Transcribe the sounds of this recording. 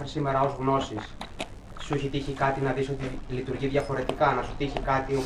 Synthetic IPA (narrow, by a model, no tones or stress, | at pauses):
xɾisime̞ɾɐo̞zɣno̞sis | suçit̪içikɐt̪inɐðiso̞t̪ilit̪uɾʝiðʝɐfo̞ɾe̞t̪ikɐnɐsut̪içikɐt̪io